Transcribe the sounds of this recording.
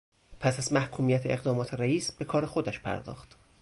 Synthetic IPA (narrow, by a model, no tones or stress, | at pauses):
pʰæsæzmæhkʰuːmijæt̪ʰeeɣd̪ɒːmɒːt̪ʰe̞ɾæiːsbe̞kʰɒːɾexod̪æʃpʰæ̰ɾd̪ɒ̰ːxt̪